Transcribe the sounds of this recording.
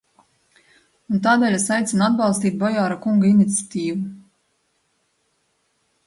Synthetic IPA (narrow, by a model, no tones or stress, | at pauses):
unt̪aːd̪ɛːlʲasajt̪sʲinad̪̚bɑlˠst̪iːt̪̚bɔjaːɾakuŋɡainit̪sʲjat̪iːvu